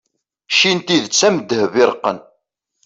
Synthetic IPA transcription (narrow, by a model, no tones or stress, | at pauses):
ʃint̪iðət͡sːæməd̪ːəhvɪɾqːə̰n